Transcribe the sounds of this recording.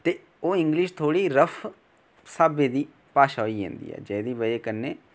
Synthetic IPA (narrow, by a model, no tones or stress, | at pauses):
t̪eː | oːɪ̃ŋɡlɪʃt̪ʰoːɽiːɾəpʰ | saːbeːd̪iː | paːʃaːɦoiːḛ̃ːnd̪ḭːɦɛ̰ːd͡ʒɛːd̪iːʋəeːkənːeː